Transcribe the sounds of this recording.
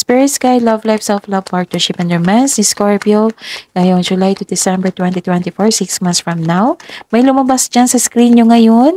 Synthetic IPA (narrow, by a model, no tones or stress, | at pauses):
spɪɹɪt̪skajlɐvlajvsɛlflɐvpaɹt̪nɛɹʃɪpɛnd̪ɛmɛnsnɪskoɹpioŋajoŋd͡ʒʊlajt̪ʊd̪ɪsɛ̃mbɛɹt̪wɛ̃nt̪it̪wɛnt̪ifoɹsiksmãnsfɹɐmnawmɐjlʊmɐbasd͡ʒansɐskɾinɲoŋɐjon